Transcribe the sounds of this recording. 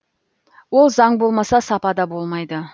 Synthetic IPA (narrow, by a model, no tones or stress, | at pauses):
wo̞lˠzɑɴbo̞lˠmɑsɑsɑpɑd̪ɑbo̞lˠmɑjd̪ə